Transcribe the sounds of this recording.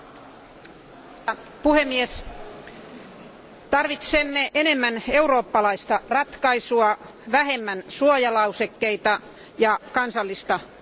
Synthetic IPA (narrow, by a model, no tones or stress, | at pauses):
puhemːies | t̪ɑrʋit̪semːeʔenemːæneuro̞ːpːɑlɑist̪ɑrɑt̪kɑisuɑ | ʋæɦemːænsuojɑlɑusekːeit̪ɑ | jɑkɑnsɑlːist̪ɑ